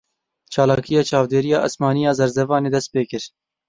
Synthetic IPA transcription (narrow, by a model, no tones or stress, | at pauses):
t͡ʃɑːlɑːkijɑːt͡ʃɑːvd̪eːɾijɑːʔasmɑːnijɑːzɐɾzɛvɑːneːd̪ɛst̪̚peːkɨɾ